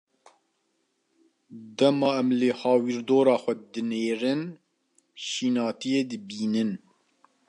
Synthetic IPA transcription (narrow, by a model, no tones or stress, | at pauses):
d̪ɛmɑːɛmləhɑːwiːɾd̪oːɾɑːxʷɛd̪ɨneːɾɨn | ʃiːnɑːt̪ijeːd̪ɨbiːnɨn